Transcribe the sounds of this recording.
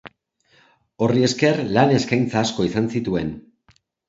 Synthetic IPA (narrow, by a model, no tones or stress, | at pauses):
o̞rie̞ske̞rlane̞skajnt͡saːsko̞isansit̪ue̞n